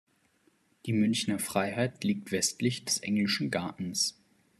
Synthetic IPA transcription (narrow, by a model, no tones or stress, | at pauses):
d̥iːmʏnçnɐfʁ̥aɪɦaɪtliːk̚tv̥ɛstlɪçd̥ɛsʔɛŋlɪʃn̩ɡaɐʔn̩s